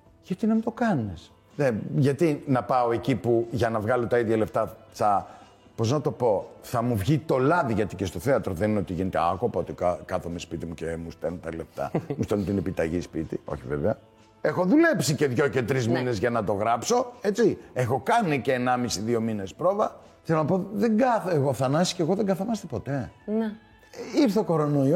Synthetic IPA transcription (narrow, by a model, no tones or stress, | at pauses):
ʝɐt̪inɐmid̪o̞kɐnis | neʝɐt̪inɐpɐo̞e̞cipuʝɐnɐvɣɐlo̞t̪ɐiðʝɐle̞ft̪ɐt͡sɐ | po̞znɐt̪o̞po̞θɐmuvʝit̪o̞lɐðiʝɐt̪icest̪o̞θeɐt̪ɾoðenineo̞t̪iʝine̞t̪eɐko̞pɐot̪ikkɐθomespit̪imucemust̪elnot̪ɐle̞ft̪ɐ̰must̪ent̪inepit̪ɐʝispit̪io̞̰çiveveɐ | exo̞ðule̞psice̞ðʝo̞ce̞t̪ɾizmine̞zʝɐnɐt̪o̞ɣɾɐpso̞et͡siexo̞kɐniceːnɐmisiðio̞mine̞spɾo̞vɐ | θelo̞nɐpo̞ðeŋɡɐθeɣo̞θɐnɐsi̥ceɣo̞ðeŋɡɐθɐmɐst̪epo̞t̪e̞n | ipsθoko̞ɾo̞noio